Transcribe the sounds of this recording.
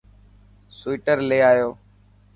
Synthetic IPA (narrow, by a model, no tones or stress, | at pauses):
sʊiːʈəɾleːaːjoː